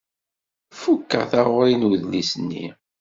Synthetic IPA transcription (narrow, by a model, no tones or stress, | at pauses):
fukːə̰ʁθaʁʊɾinuðlisnːḭ